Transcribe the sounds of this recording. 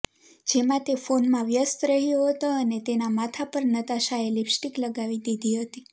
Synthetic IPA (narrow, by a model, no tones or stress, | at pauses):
d͡ʒemãt̪efonmãʋjəst̪ɾəɦijoɦət̪oənet̪enamat̪ʰapəɾnət̪aʃaelipsʈikləɡaʋid̪id̪ʱiɦət̪i